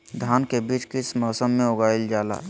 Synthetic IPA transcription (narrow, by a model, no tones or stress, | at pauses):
d̪ʱaːnkebiːt͡ʃkɪsmɔːsəmːeoɡaːild͡ʒaːla̰